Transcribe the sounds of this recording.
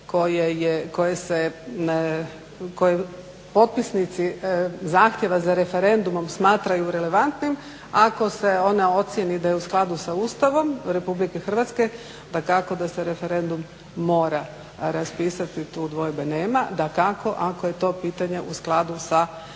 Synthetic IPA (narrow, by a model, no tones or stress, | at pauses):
ko̞jejeko̞jese | ko̞je | po̞t̪̚pisnit̪sizaːxt̪je̞ʋazaɾe̞fe̞ɾe̞nd̪umo̞msmaːt̪ɾajuɾe̞le̞ʋant̪nim | ako̞se̞o̞nao̞t̪sje̞nid̪ajeusklˠad̪usauːst̪aʋo̞mɾe̞publike̞xr̩ʋat̪ske | d̪akako̞d̪ase̞ɾe̞fe̞ɾe̞nd̪umː | o̞ːɾa | ɾaspiːsat̪it̪ud̪ʋo̞jbeneːmad̪akako̞ʔakoje̞t̪o̞ːpiːt̪aɲe̞ʔusklˠad̪usa